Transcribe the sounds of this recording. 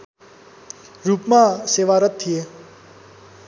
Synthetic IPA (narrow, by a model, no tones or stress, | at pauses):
ɾuːpmãseʋaɾət̪̚ʰːije